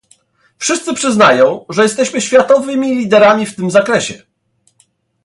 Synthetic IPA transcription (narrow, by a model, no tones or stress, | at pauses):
fʂɘst̪sɘpʂɘznajɔ̃w̃ʐɛjɛst̪ɛɕmɘɕfʲjat̪ɔvɘmʲilʲid̪ɛɾamʲift̪ɘmzakɾɛɕɛ